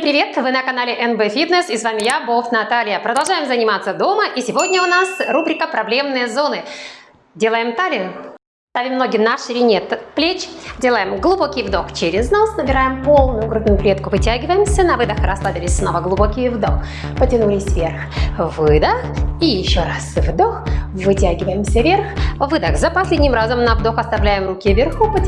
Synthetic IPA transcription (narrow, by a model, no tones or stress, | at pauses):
sʲmpɾʲɪvʲe̞t̪vɨnəkɐnalʲɪʔɛnbɛfʲit̪nəsɪsvamʲɪjaboft̪nɐt̪alʲɪjəpɾəd̪ɐlˠʐajɪmzənʲɪmat̪sːəd̪o̞məʔisʲɪvo̞dʲnʲəʊnasrubɾʲɪkəpɾɐblʲe̞mnɨjəzo̞nɨ | dʲelˠəjɪmt̪alʲɪjʊ | st̪avʲɪmːno̞ɡʲɪnaʂɨlʲɪnʲet̪plʲet͡ɕdʲelˠəjɪmɡlˠʊbo̞kʲɪjvd̪o̞xt͡ɕeɾʲɪznasnəbʲɪɾajɪmpo̞lˠnʊjʊɡɾud̪nʊjʊplʲet̪̚kʊvɨtʲæɡʲɪvəjɪmsʲənɐvɨd̪əxɾɐslˠabʲɪlʲɪsʲsno̞vəɡlˠʊbokʲɪjvd̪o̞x | pətʲɪnulʲɪsʲvʲe̞rx | vɨd̪əxijɪɕːoɾasvd̪oxvɨtʲæɡʲɪvəjɪmsʲəvʲerxvɨd̪əxzəpɐsʲlʲedʲnʲɪmɾazəmnɐvd̪o̞xɐst̪avlʲæjɪmrukʲɪvʲɪrxupə